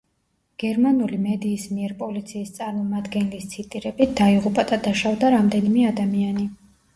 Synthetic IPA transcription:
ɡ̥ɛɾmanulimɛd̪iːsmiɛɾpʼɔlit̪sʰiːst̪sʼaɾmɔmad̪ɡɛnlist̪sʰit̪ʼiɾɛbit̪̚d̪aiʁupʼad̪ad̪aʃavd̪aɾamd̪ɛnimɛad̪amiani

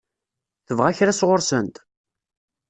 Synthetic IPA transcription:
θəvʁaçɾasʁʊɾsənt̪

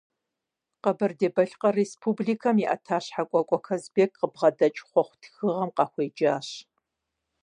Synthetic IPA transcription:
qɐbɐrdeːbɐɬqɐrespʰubɮiːkʰɐmiʔɐ̰tʰaːɕħakʷʼɔkʷʼɔkʰɐzbeːkʼqəbʁɐdɐt͡ʃʼχʷɔχʷʊtʰxɨʁɐmqɑːxʷeːd͡ʒaːɕ

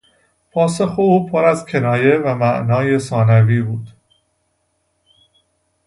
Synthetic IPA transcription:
pʰɒːso̞xeuːpʰoɾæzcʰe̞nɒːje̞væmæʔnɒːje̞sɒːnæviːbuːd̪̥

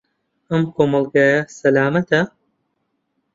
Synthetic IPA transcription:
ɐmkʰoːmɐlˠɡaːjɐsɐlaːmɐt̪ʰɐ

